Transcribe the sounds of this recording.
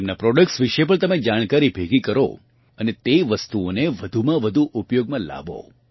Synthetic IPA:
emnapɾɔɖək̚ʈsʋiʃep̬əɳ̃t̪əmed͡ʒaɽ̃kaɾibʱeɡikəɾo̰ | ənet̪eʋəst̪uoneʋəd̪ʱumãʋəd̪ʱuʔʊpjoɡmãla̰bo̰

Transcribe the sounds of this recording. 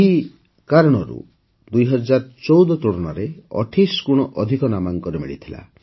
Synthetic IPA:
eɦi | kaɾɔɽ̃ɔɾṵ | d̪ujɦɔd͡ʒaɾt͡ʃɔwd̪ɔt̪uɽɔnɔɾeɔ̰ʈʰiskuɽ̃ɔʔɔd̪ʱikɔnamaŋkɔɾemḭɭḭt̪ʰila̰

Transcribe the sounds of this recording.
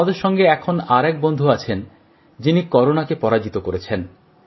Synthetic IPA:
ad̪eɾʃɔŋɡeɛkʰonaɾɛk̚bond̪ʱuat͡ɕʰen | d͡ʑinikɔɾonakepɔɾad͡ʑit̪okoɾet͡ɕʰen

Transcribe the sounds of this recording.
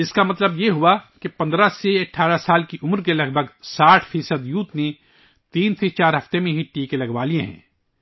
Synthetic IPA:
ɪskamɐt̪ləbjeɦʊakepɐ̃nd̪ɾaseɐʈʰːaːɾasaːlkiʔʊmɾkelɐɡbʱəɡsaːʈʰfiːsəd̪juːt̪nẽ | t̪iːnsʰet͡ʃaːɾɦɐft̪emẽɦiʈiːkelɐɡʋaːlijẽɦɛ̰̃ː

